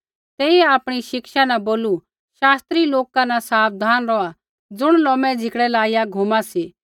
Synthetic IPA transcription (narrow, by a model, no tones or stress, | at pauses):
t̪ɛːiaːpɽ̃iʃɪkʃanãboːlu | ʃaːst̪ɾiloːkanãsaːpd̪ʱaːnɾɔa | d͡zʊɽ̃lɔːmɛ̃d͡zʱɪkɽɛlaːijaɡʱumasiː